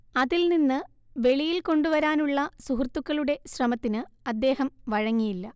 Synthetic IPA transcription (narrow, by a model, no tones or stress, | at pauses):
ɐðilninːɨ | ʋe̞ɭijilko̞ɳɖuʋɐɾaːnuɭːɐsuɦurt̪ːukːɐɭuɽe̞ɕrɐmɐt̪ːinɨɐd̪ːe̞ːɦɐmʋɐɻɐŋːijilːɐ